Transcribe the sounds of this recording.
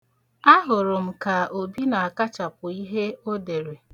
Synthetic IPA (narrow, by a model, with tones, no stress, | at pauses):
a˦ɦʊ˨ɾʊ˨m̩˨ka˨o˨bi˦na˨a˨ka˦t͡ʃa˨pʊ˨i˦ɦe˦o˦de˨ɾe˨